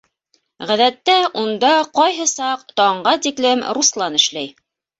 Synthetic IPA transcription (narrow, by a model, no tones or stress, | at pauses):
ʁæðæt̪ːæund̪ɑqɑjɦɤsɑqt̪ɑɴɢɑt̪iklɘmɾuslˠɑnɘ̆ʃlæj